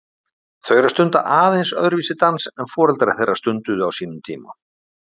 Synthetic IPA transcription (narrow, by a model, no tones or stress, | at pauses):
θœɥɾaɾst̪ʏnt̪a̰ʔaːðejnsœðɾʏviːsɪt̪ansɛnfɔːɾɛlt̪ɾḁθejrːast̪ʏnt̪ʏðʏawsiːnʏmt̪ʰiːma̰